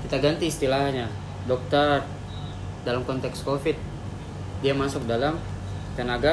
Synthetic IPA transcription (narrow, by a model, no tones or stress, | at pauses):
kit̪aɡant̪iːst̪ilahɲa | dɔk̚t̪ar | dalamkɔnt̪ɛkskofit̪̚ | diamasʊk̚dalam | t̪ənaɡa